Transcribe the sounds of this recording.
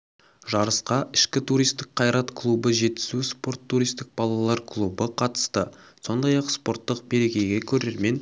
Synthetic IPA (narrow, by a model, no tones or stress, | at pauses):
ʒɑɾəsqɑʔɪʃkʲɪt̪ʰuɾijst̪ɪk̚qʰɑjɾɑt̪kʰlˠubəʒe̞t̪ːɪ̥zuspo̞rt̪ʰːuɾijst̪ɪk̚b̥ɑlˠɑlˠɑɾkʰlˠubəqʰɑt̪ə̥st̪əso̞nd̪ɑjɑqspo̞ɾt̪ːəqbe̞ɾe̞kʲe̞jɡʲe̞kʲʰɵɾe̞ɾme̞n